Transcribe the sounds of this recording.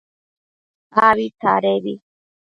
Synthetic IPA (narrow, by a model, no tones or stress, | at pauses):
aβit̪ʰa̰ɾeβi